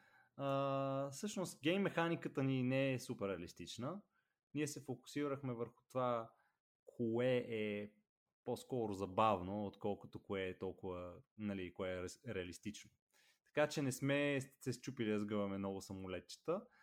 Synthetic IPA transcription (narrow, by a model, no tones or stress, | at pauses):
əfsɤʃnost̪ɡʲɛmmːɛxanikət̪əninɛɛsupɛɾːɛɐlist̪it͡ʃnə | niɛsɛfokʊ̥siɾəxmɛvəɾxʊ̥t̪ova | kʰoɛɛ | poskɔɾʊzɐbavnoot̪kɔlˠkʊ̥t̪okoɛːt̪ɔlˠkʊvənɐlikoɛɾɛɐlist̪it͡ʃno | t̪ɐ̥kat͡ʃɛnɛsmɛsɛst͡ʃupilid̪əzɡɤvɐmɛmnɔɡʊsɐmʊlɛt̪̚t͡ʃə̥t̪ə